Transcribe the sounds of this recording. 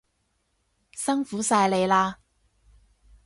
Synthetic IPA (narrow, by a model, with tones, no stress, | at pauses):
sɐ˥ŋfuː˨˥saː˧jle˨˧jlaː˧